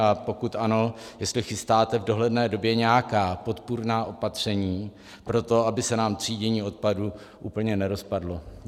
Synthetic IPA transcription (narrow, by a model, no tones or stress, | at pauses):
apo̞kut̪ʔano̞jɛst̪lɪxɪst̪aːt̪ɛvdo̞ɦlɛdnɛːdo̞bjɛɲɛjakaːpo̞t̪puɾnaːʔo̞pat̪r̝̥ɛɲiː | pɾo̞t̪o̞abɪsɛnaːmt̪r̝̥iːɟɛɲiːo̞t̪̚padu | ʔuːpl̩ɲɛnɛɾo̞spadlo̞